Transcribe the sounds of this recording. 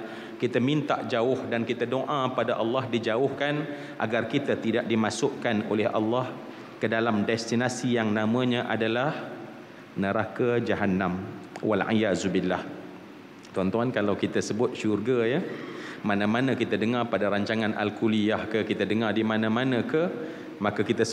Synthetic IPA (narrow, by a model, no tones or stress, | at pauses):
kit̪əmint̪a̰ʔd͡ʒaʊhdankit̪adoʔãpadaʔɑlːɑɦdid͡ʒaʊhkan | ʔa̰ɡarkit̪ət̪idaʔ̚dimasʊʔkano̰lɛhʔɑ̰lːɑh | kədalamdɛst̪inasijaŋnãmə̃ɲãʔadalah | nəɾakad͡ʒaɦanːamwa̰lʕḭjazubilːah | t̪ɔnt̪uankalawkit̪əsəbʊt̪̚ʃurɡajamanãmanə̃kit̪ədəŋarpadaɾaɲt͡ʃaŋanʔa̰lkuliahkəkit̪ədəŋardimanãmanə̃kə | makakit̪əs